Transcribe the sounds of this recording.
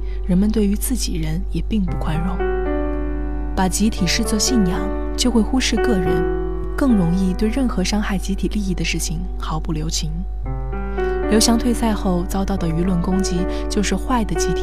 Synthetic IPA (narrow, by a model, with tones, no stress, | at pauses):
ɻə˧˥nmə˧nt̪we˥˩ɪy˧˥t͡sɹ̩˥˩t͡ɕi˨˩ɻə˧˥njɛ˨˩pi˥˧ŋpu˥˩kʰwa˥nɻʊ˥˩ŋ | pa˨˩t͡ɕi˧˥t̪ʰi˨˩ʂɻ̩˥˧t͡swɔ˥˧ɕi˥˩njɑ˨˩˦ŋ | t͡ɕjo˥˧ʊxwe˥˩ɪxu˥ʂɻ̩˥˧kɤ˥˩ɻə˧˥n | kɤ˥˩ŋɻʊ˧˥ŋi˥˧t̪we˥˧ɪɻə˥˩nxɤ˧˥ʂɑ˥ŋxa˥˩ɪt͡ɕi˧˥t̪ʰi˨˩li˥˧i˥˩d̪ə˩ʂɻ̩˥˩t͡ɕʰi˨˩ŋ | xɑ˨˧˥ʊpu˥˩ljo˧˥ʊt͡ɕʰi˧˥ŋ | ljo˧˥ʊɕjɑ˧˥ŋt̪ʰwe˥˧ɪsa˥˧ɪxo˥˧ʊt͡sɑ˥ʊt̪ɑ˥˩ʊd̪ə˩y˧˥lwə˥˩nkʊ˥ŋt͡ɕi˥ | t͡ɕjo˥˧ʊʂɻ̩˥˧xwa˥˩ɪd̪ə˩t͡ɕi˧˥t̪ʰi̥˨˩